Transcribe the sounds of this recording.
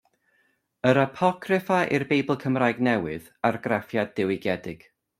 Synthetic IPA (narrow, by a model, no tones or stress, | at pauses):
əɾapʰɔkʰrɪfaʔḭrbejbəlˠkʰəmraːjɡnɛwɨð | arɡrafjadɪwɪɡɛdɪɡ̥